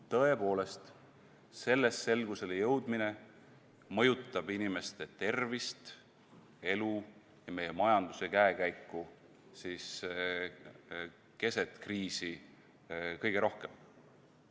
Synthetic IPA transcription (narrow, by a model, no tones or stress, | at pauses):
t̪ɤ̞e̞po̞ːle̞st̪ | se̞lːe̞sːe̞lɡ̥use̞lejɤwd̪mine̞ | mɤjut̪ːˑɑb̥inime̞st̪e̞t̪e̞rvist̪ | e̞lu | jɑme̞jemɑjɑnd̪use̞kæekæjkːu | siːs | ke̞se̞t̪kriːsi | kɤjɡ̥e̞ɾo̞hke̞m